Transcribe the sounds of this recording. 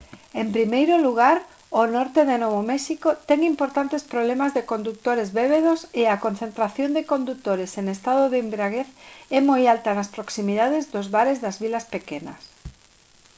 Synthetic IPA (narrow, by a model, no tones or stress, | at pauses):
empɾimejɾʊluɣ̞aɾ | onɔɾt̪eðenoβomɛʃikot̪ɛŋimpoɾt̪ant̪espɾoβlɛmazðekond̪uk̚t̪oɾezβeβeðosɪakon̟θent̪ɾaθjond̪ekond̪uk̚t̪oɾeseŋest̪að̞ʊðeimbɾaɣeθɛmojalt̪anaspɾoksimiðaðɪzðʊzβaɾezðazβilaspekenɐ̰s